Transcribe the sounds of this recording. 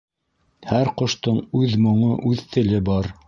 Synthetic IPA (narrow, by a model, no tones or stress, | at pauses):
hæɾqŏʃt̪ɤɴʉðmŏɴoʔʉðt̪ɘ̆lɘbɑɾ